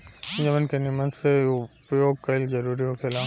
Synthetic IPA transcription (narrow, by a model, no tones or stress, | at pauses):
d͡ʒɐmənkenɪmɐ̃nseʊpjoːɡ̚kɐld͡ʒɐɾuːɾiɦokʰeːlã